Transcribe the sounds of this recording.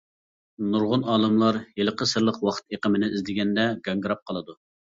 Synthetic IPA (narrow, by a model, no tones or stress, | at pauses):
nuɾʁʊnɑːlˠɨmlˠɑɾjelˠəqəsəɾlˠəqwɑχt̪eqəmɪnɪizd̪ɪɡʲɛnd̪ɛɡʲɑŋɡɨɾɑp̚qʰɑlˠɨd̪u